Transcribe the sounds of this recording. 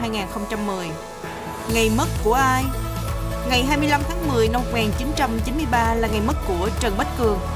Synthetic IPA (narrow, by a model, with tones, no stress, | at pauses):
aː˧jŋaː˨˩nxə˧wŋ͡mt͡ɕa˧mːɨ˨˩əj | ŋa˨˩jmə˦˥t̚ku˧˩əʔaː˧j | ŋa˨˩jɦaː˧jmɨ˧əjla˧mt̪ʰaː˨˦ŋmɨ˨˩əjna˧mːo˨˩k͡p̚ŋaː˨˩nt͡ɕi˨˦nt͡ɕa˧mt͡ɕi˨˦nmɨ˧əjɓaː˧laː˨˩ŋa˨˩jmə˦˥t̚ku˧˩ət͡ɕə˨˩nɓə˦˥t̚kɨ˨˩əŋ